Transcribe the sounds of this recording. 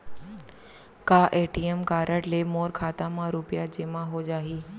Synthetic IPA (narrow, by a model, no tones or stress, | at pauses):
kaːʔeːʈiːemkaːɾəʈleːmoːɾkʰaːt̪amãɾʊpjad͡ʑeːmãɦod͡ʑaːɦiː